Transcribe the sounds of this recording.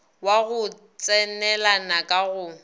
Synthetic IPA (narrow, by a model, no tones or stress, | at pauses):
waɣʊ | t͡sʼɛnɛlanakʼaɣʊ